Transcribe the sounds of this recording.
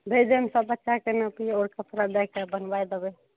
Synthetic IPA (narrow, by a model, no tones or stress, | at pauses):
bʱed̪emsəbːətːʃakenəpioɾkəpɾad̪ɛkebənbajd̪ebɛ